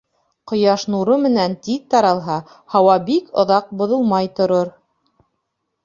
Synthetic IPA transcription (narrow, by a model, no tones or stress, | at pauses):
qŏjɑʃnuɾomɘ̆nænt̪iðt̪ɑɾɑlˠɦɑ | hɑwɑbikŏ̰ðɑq̚bŏðŏlˠmɑjt̪ŏɾoɾ